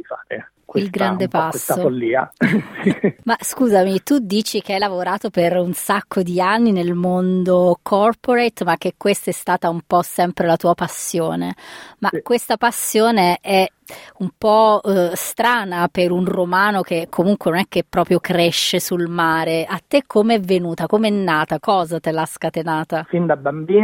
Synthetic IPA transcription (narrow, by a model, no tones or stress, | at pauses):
ifaːɾḛ | kwilɡɾand̪epasssːofolːiːa̰simaskuːzamit̪ud̪iːt͡ʃik̟eajlavoɾaːt̪operunsakːod̪ianːinelmond̪okʰɔrpoɾejt̪mak̟ːekːwest̪aɛst̪aːt̪aumpɔsɛmpɾelat̪uːapasːjoːnemakːwest̪apasːjoːneɛ | umpɔst̪ɾaːnapeɾunromaːnok̟ekʰːomuŋkwenonɛk̟ːepːɾɔːpɾjokɾɛʃːesulmaːɾeat̪ːekʰːomeɛvːenuːt̪akomeɛnːaːt̪akɔːzat̪elaskat̪enaːt̪afind̪abambiː